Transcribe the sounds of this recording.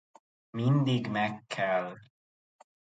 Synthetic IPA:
mind̪iɡmɛkʰːɛl

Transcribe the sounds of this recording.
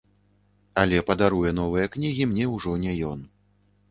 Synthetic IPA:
alʲɛpɐd̪aɾujɛn̪ɔvɨjɐknʲiɣʲimnʲɛwʐɔnʲɛjɔn

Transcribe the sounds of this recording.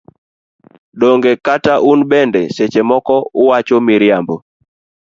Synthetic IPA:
doŋɡekataʔunbɛndɛset͡ʃemɔkɔʊwat͡ʃomiɾjambo

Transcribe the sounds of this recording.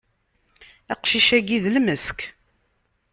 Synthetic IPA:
æqʃiʃæɡiðlməsk

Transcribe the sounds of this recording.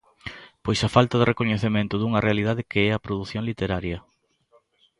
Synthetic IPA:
pojsɐfalt̪ɐðerʔekoɲeθemẽnt̪ʊðuŋɐrealiðaðɪkeɛɐpɾoðuθjoŋlit̪eɾaɾjɐ

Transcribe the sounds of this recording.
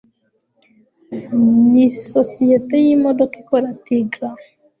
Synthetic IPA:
nisɔsiɛt̪ɛjimɔd̪ɔkikɔɾat̪iɡɾa

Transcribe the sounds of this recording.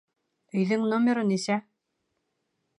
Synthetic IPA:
ɵ̆jðɘŋnomʲeɾɤnisæ

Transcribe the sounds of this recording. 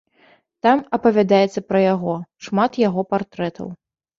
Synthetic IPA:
t̪amɐpɐvʲad̪ajɛt̪sːɐpɾɐjaɣɔʂmat̪jaɣɔpart̪ɾɛt̪ʰɐ̰w

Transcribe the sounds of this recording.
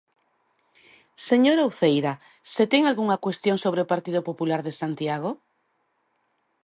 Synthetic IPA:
seɲoɾauwθejɾa | set̪eŋalɣuŋakwest̪joŋsoβ̞ɾeopaɾt̪iðopopulaɾðesant̪jaɣ̞o

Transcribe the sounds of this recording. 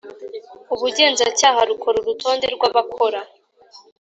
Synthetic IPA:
uβuɟe̞ːnzacaːhaɾukʰo̞ɾuɾuto̞ːnde̞ɾɡwaβakʰo̞ɾa

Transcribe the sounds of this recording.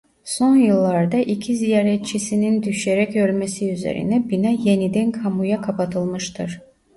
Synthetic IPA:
so̞njɯlˠːaɾd̪ɑʔicʰizijaːɾɛt̪̚t͡ʃʰisinind̪yʃeɾɛcølmesiyzḛɾḭnɛbinaje̞nid̪ænkʰamujakʰapat̪ʰɯlˠmɯʃt̪ʰɯɾ̥

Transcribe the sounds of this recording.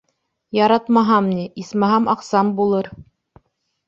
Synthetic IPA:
jɑɾɑt̪mɑɦɑmniismæɦɑmʔɑqsɑmbulˠɤɾ

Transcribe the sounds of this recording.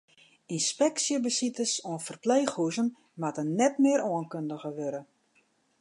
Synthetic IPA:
inspɛksjəbəsitəsɔənfərpleːxhuzən | matənnɛtmɪəoənkøndəɣəʋøɾə

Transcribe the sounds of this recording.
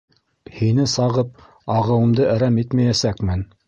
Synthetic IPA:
hinɘsɑʁɤp̚ | ɑʁɤ̆wɤ̆md̪ɤʔæɾæmit̪mæjæsækmɘn

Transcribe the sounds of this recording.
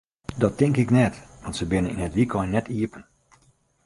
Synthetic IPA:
dɔtɪŋkɪknɛtʋɑntsəbɪnənḭnɦətʋikʰɔjnɛtʰiəpən

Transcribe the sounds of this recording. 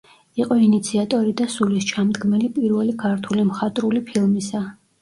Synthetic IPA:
iqʼɔinit̪sʰiat̪ʼɔɾid̪asulist͡ʃʰamd̪ɡmɛlipʼiɾvɛlikʰaɾt̪ʰulimχat̪ʼɾulipʰilˠmisa

